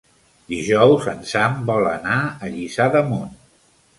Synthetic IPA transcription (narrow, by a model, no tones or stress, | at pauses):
d̪iʒɔwzə̰nsambɔlənaəʎisaðəmon